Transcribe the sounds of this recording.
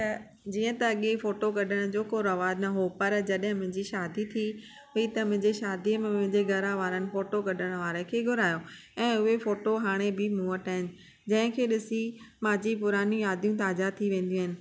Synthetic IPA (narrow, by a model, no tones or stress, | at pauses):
t̪ɐ | d͡ʑiːə̃t̪ɐːɠefoːʈokɐɗʱəɽ̃d͡ʑoːkoɾɐʋaːdnɐɦopɐɾd͡ʑɐɗɦɪ̃mʊ̃ɦɪ̃ɲd͡ʑiʃaːd̪it̪ʰi | ɦʊit̪ɐmʊ̃ɦɪ̃ɲd͡ʑeʃaːd̪iəmẽmʊ̃ɦɪ̃ɲd͡ʑeɡʱɐɾaʋaːɾənɪ̆foːʈokɐɗʱəɽ̃ʋaːɾə̃kʰeːɡʱʊɾaːjo | ɛ̃ːʊɦefoːʈoɦaːɽ̃ebɪmuːəʈaɦɪnɪ̆ | d͡ʑɐ̃ɦɪ̃kʰeːɗɪsimãːd͡ʑipʊɾaːnjũjaːd̪jũt̪aːzat̪ʰiʋẽːn̆d̪ij̃ũɦɪnɪ̆